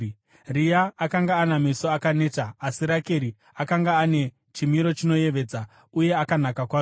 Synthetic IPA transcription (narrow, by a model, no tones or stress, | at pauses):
rijaːkaŋɡaːnamiso̞akane̞ːtaːsiɾake̞ɾi | akaŋɡaːne̞ | t͡ʃimiɾo̞t͡ʃino̞je̞ʋe̞ːd͡za | uje̞akanakakwaːo